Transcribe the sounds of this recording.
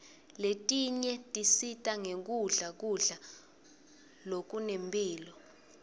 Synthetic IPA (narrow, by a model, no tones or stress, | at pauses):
letʼiɲɛtʼisitʼaŋek̬uɮak̬uɮa | lok̬unempʼiːlɔ